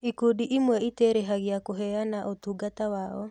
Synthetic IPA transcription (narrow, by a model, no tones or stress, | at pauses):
ikudiʔimwɛiteɾeɦaɣeakoɦɛanaʔotuɡatawaɔ̰